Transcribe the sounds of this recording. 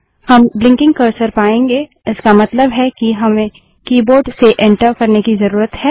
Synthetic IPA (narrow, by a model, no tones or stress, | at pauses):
hɐmblɪ̃ŋkɪ̃ŋɡkɐɾsəɾpaːẽːŋɡeː | ɪskamɐt̪ləbɦɛkiɦɐmẽ | kiːboːɾɖseʔɛ̃ɳʈəɾkɐɾnekizɐɾuːɾət̪ɦɛː